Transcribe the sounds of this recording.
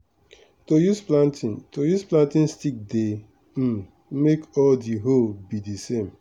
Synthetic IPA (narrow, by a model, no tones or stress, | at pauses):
tojusplãntintojusplãntĩnstik̚de | m̩ | mekɔdiɦobidisem